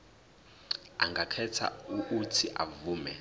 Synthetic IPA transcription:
a̰ŋɡʱakʰɛtʰa̰uʔːtʰiʔa̰vuːmɛ

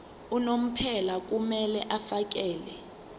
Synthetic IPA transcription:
unom̩pʰɛlak̬umɛlɛʔafak̬ɛːlɛ

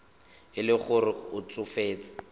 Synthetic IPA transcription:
ɪlɪχʊrɪʊt͡sʊfeːt͡sʼɪ̥

